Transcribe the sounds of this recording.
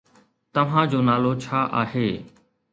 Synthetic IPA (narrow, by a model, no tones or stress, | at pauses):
t̪əʋ̤ãːd͡ʑoːnaːloːt͡ʃʰaːʔaːɦeː